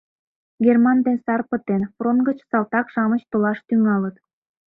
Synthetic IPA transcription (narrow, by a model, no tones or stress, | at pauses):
ɡʲermɑnd̪ensɑrpə̆t̪enfronɡə̆t͡ɕsɑlt̪ɑkʃɑmət͡ɕt̪olɑʃt̪yŋɑlə̆t̪